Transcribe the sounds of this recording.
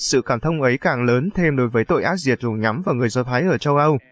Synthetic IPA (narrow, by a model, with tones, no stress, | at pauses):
sɨ̰˧˨kaː˧˩mt̪ʰə˧wŋ͡mʔə˨˦jkaː˨˩ŋləː˨˦nt̪ʰe˧mɗo˨˦jvəː˨˦jt̪o̰˧˨jʔaː˦˥t̚zi˨˩ət̚zu˨˩ɲa˨˦mvaː˨˩wŋɨ˨˩əjzɔ˧t̪ʰaː˨˦jʔəː˧˩t͡ɕə˧wʔə˧w